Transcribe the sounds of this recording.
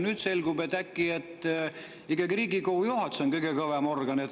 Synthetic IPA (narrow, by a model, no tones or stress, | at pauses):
nyːd̪̥se̞lɡ̥ubet̪ːækːiet̪ːˑ | ikːɑɡiriːɡikoujohɑt̪sonkɤjɡekɤvemorɡ̥ɑnet̪